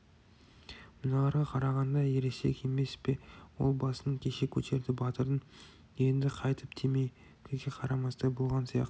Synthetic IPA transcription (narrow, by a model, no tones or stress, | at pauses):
mʊnɑlˠɑɾʁɑqʰɑɾɑʁɑnd̪ɑje̞ɾese̞kʲʰe̞me̞spe̞wo̞̰lˠbɑsənəɴkʲʰe̞ʃe̞kʲʰɵ̰t̪e̞ɾd̪ɪbɑt̪əɾən | je̞nd̪ɪqʰɑjt̪ʰəpt̪ʰemej | kʰʲɪzɡʲe̞qʰɑɾɑmɑst̪ɑbolˠʁɑnsijɑ̰qt̪ə